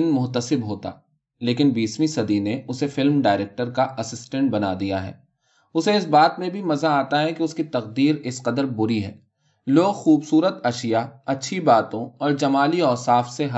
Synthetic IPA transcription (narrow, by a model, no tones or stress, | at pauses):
nmʊɦt̪əsɪbɦoːt̪a̰ː | leːkɪnbiːsmisɐd̪ineʊsefɪlmɖaːɪɾeːk̚ʈəɾkaʔɐsɪsʈɛ̃ɳʈ̚bɐna̰d̪ija̰ɦɛ̰ː | ʊseɪs̬baːt̪mẽbʱimɐzaaːt̪aɦɛkeʊskit̪ɐqd̪iːɾɪsqɐd̪əɾbʊɾiɦɛ̰ː | loːɡxuːbsuːɾət̪ɐʃɪjaɐtːʃʰibaːt̪õɔːɾd͡ʒɐmaːliɔːsaːfseɦɐ